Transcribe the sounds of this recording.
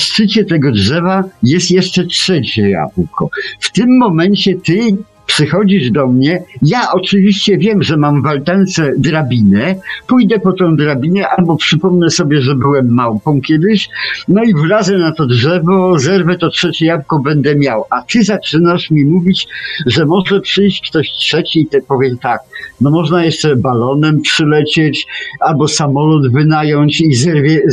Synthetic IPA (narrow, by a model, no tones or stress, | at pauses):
ssɘt͡ɕɛt̪ɛɡɔdʐɛvajɛst̪jɛʂt͡ʂɛtʂɛt͡ɕɛja̰vwkɔ̰ft̪ɪmːɔmɛɲt͡ɕɛt̪ɘ | pʂɨxɔd͡ʑiʐd̪ɔmɲɛjaʔɔt͡ʂɨvʲiɕt͡ɕɛvʲjɛmʐɛmamvalt̪ant̪sɛd̪ɾabʲinɛpujd̪ɛpɔt̪ɔ̃w̃d̪ɾabʲinɛʔalbɔpʂɘpɔmnɛsɔbʲjɛʐɛbɘwɛmːawpɔ̃w̃kʲɛd̪ɪɕnɔivɾazɛnat̪ɔdʐɛvɔzɛɾvɛt̪ɔtʂɛt͡ɕɛjavkɔbɛnd̪ɛmʲjawat̪ɘzat͡ʂɘnaʂmʲimuvʲit͡ɕʐɛmɔʐɛpʂɘjɕt͡ɕkt̪ɔɕtʂɛt͡ɕiit̪ɛpɔvʲjɛmt̪aknɔmɔʐnajɛʂt͡ʂɛbalɔnɛmpʂɘlɛt͡ɕɛt͡ɕalbɔsamɔlɔd̪vɘnajɔɲt͡ɕizɛɾvʲjɛ